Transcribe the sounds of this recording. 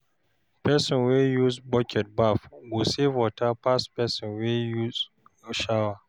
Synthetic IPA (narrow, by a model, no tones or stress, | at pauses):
pɛsɪnwejuzbɔkʰʲɛt̚bafɡʷoseːvɔtapaspɛsɪnwejuz | ʃawa